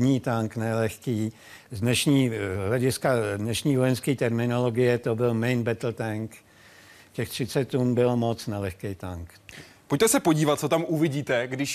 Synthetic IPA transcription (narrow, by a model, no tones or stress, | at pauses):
ɲiːt̪aŋknɛlɛxkiː | zdnɛʃɲiːɦlɛɟɪskadnɛʃɲiːvojɛnskiːt̪ɛɾmɪnolo̞ɡɪjɛt̪obɪlmɛjnbɛt̪l̩t̪aŋk | cɛxt̪r̝̥ɪtt͡sɛt̪̚ːunbɪlmo̞t͡snalɛxkɛjt̪aŋk | poc̚t̪ɛsɛpoɟiːvat̪̚t͡sot̪amuvɪɟiːt̪ɛɡdɪʃ